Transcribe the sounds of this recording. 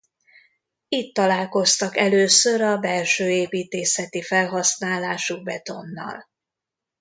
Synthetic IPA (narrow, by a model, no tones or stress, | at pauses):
it̪ːɒlaːlko̞st̪ɒkɛløːsøɾɒbɛlʃøːeːpiːt̪eːsɛt̪ifɛlɦɒsnaːlaːʃuɡ̚bɛt̪o̞nːɒ̰l